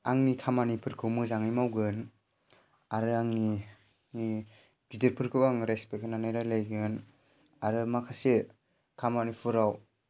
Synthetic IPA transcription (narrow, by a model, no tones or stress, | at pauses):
aŋnikʰamanipʰɯɾkʰɯwmɯzaŋɯjmawɡɯn | aɾɯaŋni | ni | ɡidiɾpʰɯɾkʰɯwaŋɾespek̚nanajɾajlajɡɯn | aɾɯmakʰase | kʰamanipʰɯɾaw